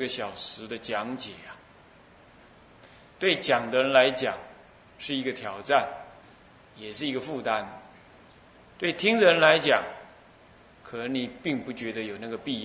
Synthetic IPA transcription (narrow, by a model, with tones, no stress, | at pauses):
ɡə˩ɕjɑ˨˩ʊʂɻ̩˧˥d̪ə˧t͡ɕjɑ˧˥ŋt͡ɕjɛ˨˩a˨ | t̪we˥˩ɪt͡ɕjɑ˨˩ŋd̪ə˦ɻə˧˦nla˧˥ɪt͡ɕjɑ̰˨˩ŋ | ʂɻ̩˥˩i˧˥ɡə˧t̪ʰjɑ˨˩ʊʈ͡ʂa˥˩n | jɛ˨˩ʂɻ̩˥˩i˧˥ɡə˧fu˥˧t̪a˦n | t̪we˥˩ɪt̪ʰi˥ŋd̪ə˧˨ɻə˧˦nla˧˦˥ɪt͡ɕjɑ˨˩ŋ | kʰɤ˨˩nə˧˥ŋni˨˩pi˥˧ŋpu˥˩t͡ɕɥɛ˧˥d̪ə˦jo˨˩ʊna˥˩ɡə˩pi˥˧